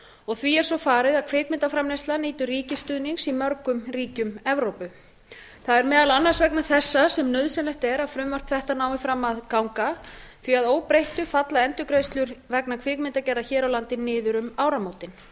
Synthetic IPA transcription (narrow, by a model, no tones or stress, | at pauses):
ɔɣθviɛɾ̥sɔfaːɾɪðaðkʰveːk̚mɪnt̪afɾamnejst̪laniːt̪ʏriːcɪst̪ʏːðniŋsimœɾkʏmriːcʏmɛvɾowpʏ | θaðɛɾmɛːðalanːaɾ̥svɛknaθɛsːasɛmnœðsɛnlɛht̪ɛɾaðfɾʏmvœr̥pθɛht̪anaːwɪfɾamːaðkawŋkaθviaðoːwpɾejht̪ʏfat̪laðɛnt̪ʏkɾejst̪lʏɾvɛknakʰv̥eːkmɪnt̪acɛɾðaçɛːɾawlant̪ɪnːɪːðʏɾʏmaːwɾamoːwt̪ɪn